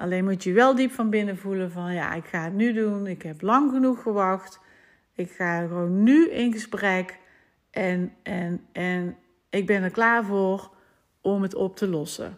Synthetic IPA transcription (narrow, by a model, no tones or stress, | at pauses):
ʔɑlejnmutəʋɛlˠdipfɑnbɪnəvuləvɑnja̰ːʔɪkχaːətnydunɪkɦɛplɑŋɣənuxfəɹʋɑxt | ɪkxaːɣəʋownːyɪnɣəsprɛk | ʔɛnɛnɛn | ɪɡ̚bɛndəɹklaːɹvoːr | ɔmɦətɔp̚təlɔsə̰